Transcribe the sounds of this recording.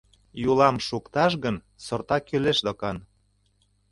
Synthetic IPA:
julɑmʃukt̪ɑʃɣən | sort̪ɑkyleʃd̪okɑn

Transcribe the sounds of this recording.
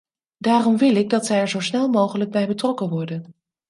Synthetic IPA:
daːrɔmʋɪlɪɡ̚dɑtsɛjɛɹzowsnɛlˠmowχələɡ̚bɛjbətrɔkənʋɔɹdən

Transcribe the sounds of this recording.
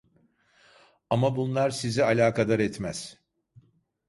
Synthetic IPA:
amabunlˠaɾsizialʲaːkad̪aɾɛt̪mæz̥

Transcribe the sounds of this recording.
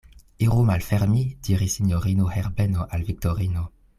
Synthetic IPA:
iʁumalfɛʁmid̥iʁisinjoʁinohɛʁbenoʔalvik̚toʁino

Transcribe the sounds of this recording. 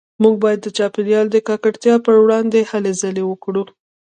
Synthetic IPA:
muɡ̚bɑjad̪ːət͡ʃɑpinjɑld̪əkɑkaɽt̪jɑpəɾwɽɑnd̪ehalezəlewəkɽu

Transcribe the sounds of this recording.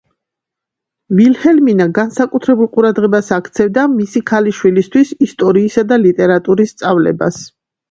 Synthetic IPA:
vilhɛlminaɡansakʼut̪ʰɾɛbulˠqʼuɾad̪ʁɛbasakʰt̪sʰɛvd̪amisikʰaliʃwilist̪ʰwisist̪ʼɔɾiːsad̪alit̪ʼɛɾat̪ʼuɾist̪sʼavlɛ̰ba̰s

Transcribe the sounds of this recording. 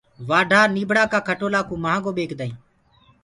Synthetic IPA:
ʋaːɖʱaːniːbʱɽaːkaːkʰəʈoːlaːkũːmaãːɡoːɓeːkʰd̪aːĩː

